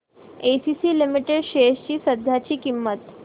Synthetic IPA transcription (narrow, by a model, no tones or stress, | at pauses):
esisiːlimiʈeɖɕeɕt͡ɕiːsəd̪ʱjat͡ɕiːkimːət̪